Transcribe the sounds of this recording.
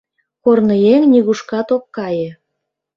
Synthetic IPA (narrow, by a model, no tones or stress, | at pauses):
kornɤ̆jeŋnʲiɣuʃkɑt̪okːɑjĕ